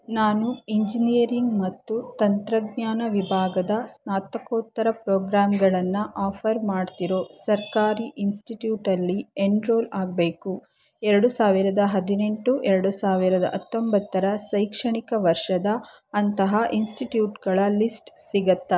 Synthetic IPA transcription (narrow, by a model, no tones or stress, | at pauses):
naːnuiɲd͡ʒinijɐɾiŋɡmɐt̪ːut̪ɐnt̪ɾɐɡɲaːnɐʋibʱaːɡɐd̪ɐsnaːt̪ɐkoːt̪ːɐɾɐpɾoːɡɾaːmɡɐɭɐnːɐʔaːpʰɐɾmaːɖt̪iɾo̞ːsɐɾkaːɾiʔinsʈiʈjuːʈɐlːieɳɾoːlaːɡbe̞ːku | ɛɾɐɽusaːʋiɾɐd̪ɐɦɐd̪ine̞ɳʈuʔɛɾɐɽusaːʋiɾɐd̪ɐ̰ʔɐt̪ːombɐt̪ːɐɾɐsɐjkʂɐɳikɐʋɐɾʂɐd̪ɐː | nt̪ɐɦaʔinsʈiʈjuːʈɡɐɭɐlisʈsiɡɐt̪ːɐ